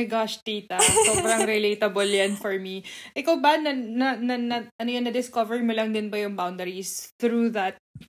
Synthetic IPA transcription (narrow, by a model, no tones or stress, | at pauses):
ɡaʃt̪iːt̪ɐsoːbɾɐŋɾɪlejt̪ɐboljɐnfɔɹmiʔɪkawbanɐnɐnɐnɐʔɐnojonːɐd̪ɪskovɛɹmolɐŋd̪ɪnbɐjʊŋbawnd̪ɛɹisθɾuðɐt̪̚